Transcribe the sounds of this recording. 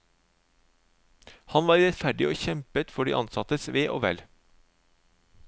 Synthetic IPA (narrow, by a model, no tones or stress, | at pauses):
hɑnʋɑːɾɾɛt̪fæɖɪoːçɛmpət̪fɔɖḭːʔɑ̰nsɑt̪əsʋeːʔo̰ːʋɛ̰l